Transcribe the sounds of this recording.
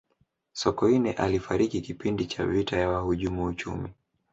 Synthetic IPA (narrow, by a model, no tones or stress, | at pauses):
sɔkɔinɛʔalifaɾikikipindit͡ʃa̰vitajawahuʄumuut͡ʃṵmḭ